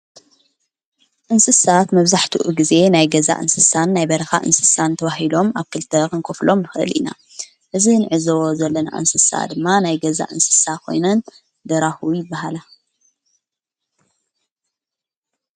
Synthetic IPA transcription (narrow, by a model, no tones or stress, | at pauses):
ʔɨnsɨsat̪mɐβzaħt̪ʰuʔuɡize̞najɡɐza̰ʔɨ̰nsɨsanːajbɐɾɐxa̰ʔɨ̰nsɨ̥sant̪ʰɐβaɦilo̞maβkʰɨlt̪ʰɐkɨŋkʰoflo̞mnɨxʔɨ̰lʔḭna̰ | ʔɨzinɨʕɨzɐwozɐlːɐna̰ʔɨ̰nsɨsa̰d̪ɨmːanajɡɐza̰ʔɨnsɨ̥sakʰo̞̰jnɐn | d̪ɐɾaxujɪbːahala